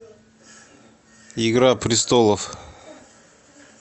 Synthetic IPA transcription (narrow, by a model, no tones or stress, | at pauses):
ɪɡɾapɾʲɪst̪olˠəf